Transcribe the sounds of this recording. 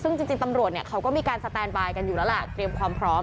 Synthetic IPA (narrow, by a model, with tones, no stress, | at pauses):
sɯ˥˩ŋt͡ɕi˧ŋt͡ɕi˧ŋt̪a˧mɾu˨˩ət̪̚ni˦˩əkʰa˦˥wkɔː˥˩miː˧kaː˧nsa˧t̪ɛː˧nbaː˧jka˧njuː˨˩lɛː˦˥wla˨˩t̪ɾi˧əmkʰwaː˧mpʰɾɔː˦˥m